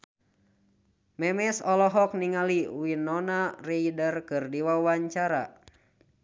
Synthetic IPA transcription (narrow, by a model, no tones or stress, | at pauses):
mɛmɛsɔlɔɦɔk̚niŋaliwinɔnarejdərkɨrdiwawaɲt͡ʃaɾa